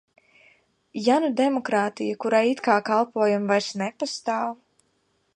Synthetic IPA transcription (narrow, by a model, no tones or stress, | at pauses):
janud̪ɛmɔkɾaːt̪ijakuɾait̪kaːkalˠpuɔjumvajsnɛpast̪aːw